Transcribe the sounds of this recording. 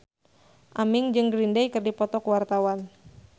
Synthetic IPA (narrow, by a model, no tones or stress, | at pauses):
ʔamɪŋd͡ʒɨŋɡɾindɛjkɨrdipɔt̪ɔkuwart̪awan